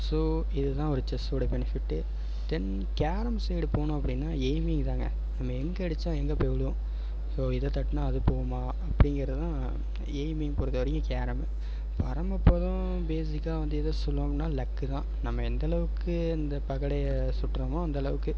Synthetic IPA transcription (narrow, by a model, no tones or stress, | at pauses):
soː | ɪðɯt̪ãːɔɾɯt͡ʃɛsoɽɐbɛnɪfɪʈːɯ | t̪ɛn | kaːɾɐmsɛjɽɯpoːnʊ̃ɐpːɐɽɪnːaːeːmɪŋt̪ãːŋɡɐ̰ | nɐmːɐɛŋɡɐɪɽɯt͡ʃːãːɛŋɡɐpeʋɭɯʊ̃ | soːɪðɐt̪ɐʈːɯnaːɐðɯpoːɯmaː | ɐpːɐɽɪŋɡɪɾɐðɯt̪ãː | eːjmɪŋpʊɾɯðɐʋɐɾɪjʊ̃kaːɾɐm | pɐɾɐmɐpːoːðʊ̃ | beːs̬ɪkːaːʋɐnd̪ɯɛðɐsɔlːõːnːaːlɐkːɯt̪ãː | nɐmːɐɛnd̪ɐlɐʋɯkːɯ | ɐnd̪ɐpɐɣɐɽɐjɐ | sʊʈːɾɐmõːɐnd̪ɐlɐʋɯkːɯ